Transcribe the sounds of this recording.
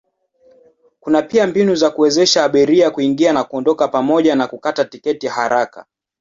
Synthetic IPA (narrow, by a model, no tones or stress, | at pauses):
kunapiambinuzakuwɛzɛʃaːɓiɾiakuiŋɡianakuɔndɔkapamɔʄanakukatatikɛtihaɾaka̰